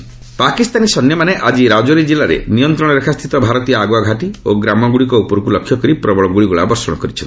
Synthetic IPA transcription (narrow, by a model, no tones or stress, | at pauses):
pakist̪anisɔnjɔmaneʔad͡ʒiɾad͡ʒɔɾid͡ʒilaɾḛnijɔnt̪ɾɔɽ̃ɔɾekʰast̪ʰit̪ɔbʱaɾɔt̪ijɔaɡoaɡʱaʈioɡɾamɔɡuɭikɔupɔɾkulɔkʰːjɔkɔɾipɾɔbɔɭɔɡuɭiɡuɭabɔɾsɔɽ̃ɔkɔɾit͡ʃʰn